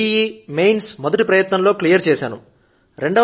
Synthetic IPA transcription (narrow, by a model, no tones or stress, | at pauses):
iiːmejnsmɔd̪ɐʈipɾɐjɐt̪nɐnlo̞ːklijɐɾt͡ʃɛːsaːnṵ | ɾe̞ɳɖɐ